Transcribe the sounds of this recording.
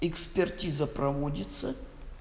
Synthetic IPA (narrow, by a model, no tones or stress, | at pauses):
ɪkspʲɪrtʲizəpɾɐvodʲɪt̪sə